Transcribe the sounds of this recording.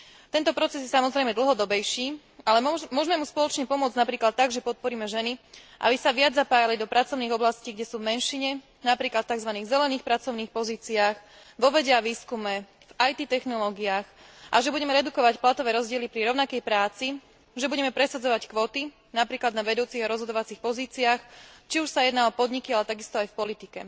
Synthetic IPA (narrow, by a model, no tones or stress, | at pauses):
t̪ɛnt̪ɔpɾɔt͡sɛzjɛsamɔzɾɛjmɛd̪l̩ˠɦɔd̪ɔbɛjʃiː | alɛmʊɔʒmɛmuspɔlɔt͡ʃɲɛpɔmʊɔd͡znapɾiːklat̪̚ːaɡʒɛpɔt̪̚pɔɾiːmɛʒɛniʔa̰bisaʋɪad͡zːapaːjalid̪ɔpɾat͡sɔʊniːɣɔblasciːɡɟɛsuːvmɛnʃiɲɛ | napɾiːklat̪̚t̪ːaɡzʋaniːɣzɛlɛniːxpɾat͡sɔʊniːxpɔziːt͡siaːx | ʋɔʋɛɟɛaʋiːskumɛ | vajt̪it̪ɛxnɔlɔːɡiaːxʔaʒɛbuɟɛmɛɾɛd̪ukɔʋacplat̪ɔʋɛːɾɔzɟɪɛlipɾiɾɔʊnakɛjpɾaːt͡si | ʒɛbuɟɛmɛpɾɛsad͡zɔʋackʋɔːt̪i | napɾiːklad̪naʋɛd̪uːt͡siɣaɾɔzɦɔd̪ɔʋat͡sixpɔziːt͡siaːxt͡ʃiuʃsajɛd̪naɔpɔd̪ɲikialɛt̪aɡist̪ɔajfpɔlit̪ikɛ